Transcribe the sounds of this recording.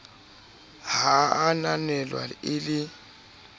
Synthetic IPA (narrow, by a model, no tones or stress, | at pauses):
haananɛlwa̰ɪlɪ